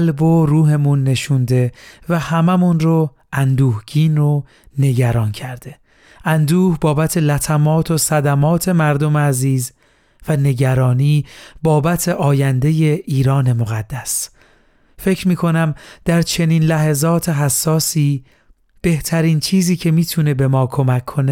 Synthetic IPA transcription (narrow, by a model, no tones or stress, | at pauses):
lboɾuːɦe̞munːe̞ʃund̪e̞væhæmæmunɾo | ænd̪uːhɟiːno | ne̞ɟæɾɒːncʰæɾd̪̥e̞ | ʔænd̪uːhbɒːbæt̪ʰe̞læt̪ʰæmɒːt̪ʰo̞sæd̪æmɒːt̪ʰe̞mæɾd̪o̞meæziːz | væne̞ɟæɾɒːniːbɒːbæt̪ʰe̞ʔɒːjænd̪e̞je̞ʔiːɾɒːne̞mo̞ɣæd̪ːæs | fe̞cʰɾmiːkʰo̞næmd̪̥æɾt͡ʃʰe̞niːnlæɦezɒːt̪ʰe̞ɦæsːɒːsiː | b̥e̞ht̪ʰæɾiːnt͡ʃʰiːziːcʰe̞miːt̪ʰune̞be̞mɒːkʰo̞mækʰːo̞ne